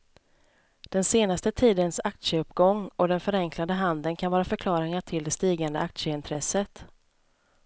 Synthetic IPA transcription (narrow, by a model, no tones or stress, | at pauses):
d̪̥ɛnseːnast̪ət̪ʰiːd̪ənsak̚t̪ʂəɵpːɡɔŋːɔd̪ɛnfœɾɛŋklad̪əɦand̪ənkʰanvɑːɾafœɾkʰlɑːɾɪŋaʈʰɪld̪ɛst̪iːɡand̪əʔak̚t̪ʂəɪnt̪ʰɾɛsət̪